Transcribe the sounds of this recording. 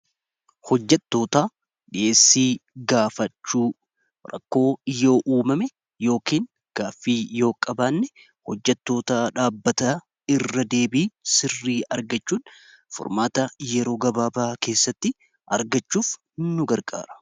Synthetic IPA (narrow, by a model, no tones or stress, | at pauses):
hɔd͡ʒːɛt̪ːo̞ːt̪aː | ᶑɪʔe̞ːsːiːɡaːfɐt͡ʃːuː | ɾɐ̰kːo̞ːɪjo̞ːʔuːmɐmɛ | jo̞ːkiːn | ɡ̥aːfːiːjo̞ːkʼɐbaːnːɛ | hɔd͡ʒːɛt̪ːo̞ːt̪aᶑaːbːɐt̪a | ɪrːɐd̪e̞ːbiːsɪrːiːʔɐɾɡɐt͡ʃːuːn | fɔ̰ɾmaːt̪ɐjɛɾo̞ːɡɐbaːbaːke̞ːsːɐt̪ːɪ | ɐɾɡɐt͡ʃːuːf | ɪnːʊɡɐɾkʼa̰ːɾɐ̥